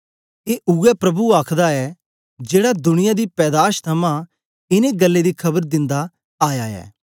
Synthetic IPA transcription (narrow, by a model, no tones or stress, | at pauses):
eːʔʊɛpɾɐbuaːkʰd̪aɛ | d͡ʒeːɽad̪ʊñɪjãd̪ipɛːd̪aːʃt̪ʰɐmã | ɪneɡɐlːed̪ikʰɐbəɾd̪ɪ̃nd̪a | aːjaːɛ̰ː